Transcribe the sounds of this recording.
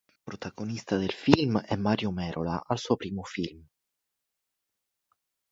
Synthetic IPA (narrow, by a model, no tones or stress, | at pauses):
pɾot̪aɡonist̪ad̪elfilmɛmːaːɾjomɛːɾʔola̰ʔalsuːopɾiːmofilm